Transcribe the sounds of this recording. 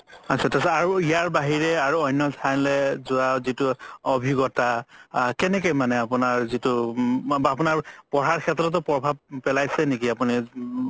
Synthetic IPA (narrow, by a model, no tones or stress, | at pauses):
asʰɛtasaɹuijaɹbaɦiɹɛaɹuɔjnːɔtʰalɛzʊazitʊɔbʱiɡɔtakɛnɛk̬ɔjmanɛapʊnaɹzitʊ | apʊnaɹpɔɹaɹkʰɛtɹɔt̬ɔpɹɔbʱab̚pɛlajsɛnekiapuni